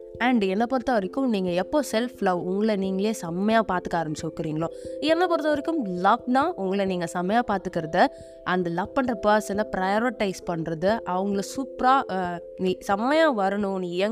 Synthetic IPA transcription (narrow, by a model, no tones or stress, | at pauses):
ɛɳɖɛnːɐpɔɾɯt̪ːɐʋɐɾɪkʲːɯmniːŋɡɐɛpːoːsɛlflɐʋʊŋɡɐɭɐniːŋɡɐɭeːsɐmːɐjãːpaːɾt̪ɯ̥kːaːɾɐmsɐʋkːɪɾiːŋɡɐɭoːɛnːɐpɔɾɯt̪ːɐʋɐɾɪkːɯmlɐknãːʔʊŋɡɐɭɐniːŋɡɐsɐmːɐjaːpaːɾt̪ɯkːɪɾɐðɯ | ʔɐnd̪ɐlɐk̚pːɐɳɾɐpɐːsɐnɐpɾɐjoːɾɪʈːɐɪspɐɳːɾɐðɯʔɐʋɐŋɡɐɭsupɾaː | niːsɐmːɐjãːʋɐɾɐɳʊ̃njɛ